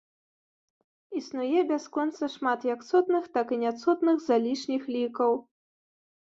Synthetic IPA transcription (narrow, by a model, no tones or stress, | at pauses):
isnujɛbʲaskɔnt̪sɐʂmat̪jɐksɔt̪nɨxt̪akinʲat̪sɔt̪nɨxzalʲiʂnʲixlʲikɐw